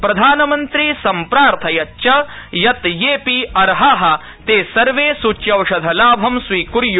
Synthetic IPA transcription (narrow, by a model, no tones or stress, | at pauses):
pɾɐd̪ʱaːnɐmɐnt̪ɾiːsɐmpɾaːɾt̪ʰɐjɐtːt͡ʃɐjɐt̪jeːpiɐɾɦaɦɐ̆ | t̪eːsɐɾʋeːsut͡ʃjɐwʂɐd̪ʱɐlaːbʱɐmsʋiːkuɾju